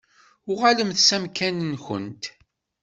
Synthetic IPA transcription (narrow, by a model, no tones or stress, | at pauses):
ʊʁaləmθsæmkænənçə̰nt̪